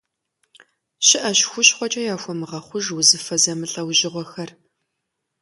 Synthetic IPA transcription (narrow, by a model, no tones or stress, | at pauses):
ɕɪʔɐɕxʷʊɕχʷɔt͡ʃʼɐjaːxʷɔmɨʁɐχʷʊʒwʊzɨfɐzɐmɨɬʼɐwʒɪʁʷɔxɐr